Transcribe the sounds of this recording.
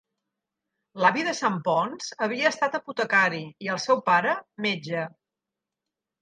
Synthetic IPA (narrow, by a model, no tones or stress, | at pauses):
laβiðəsampɔnz̥əβ̞iəːst̪at̪əput̪əkaɾiːəlˠsɛwpaɾəmed͡ʒə